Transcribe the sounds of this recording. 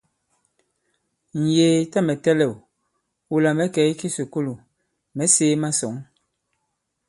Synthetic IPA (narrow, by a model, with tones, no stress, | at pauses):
n̩˨jeː˨ta˦mɛ˨tɛ˦lɛ˨w | u˨la˨mɛ˨˦kɛ˨˦i˦ki˦so˨ko˦lu˨ | mɛ˨˦seː˦ma˦sɔ˨˦ŋ